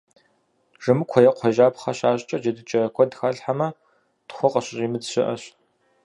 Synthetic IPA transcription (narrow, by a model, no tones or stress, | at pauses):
ʐɨmɨkʷʰɔjɐqʷʰɔʒaːpχɐɕaːɕʼt͡ʃʼɐd͡ʒɐdɨt͡ʃʼɐkʷʰɔdxaɮħamɐ | d̥χʷʊqʼɐɕʼɕiːmɨdɕɪʔɐɕ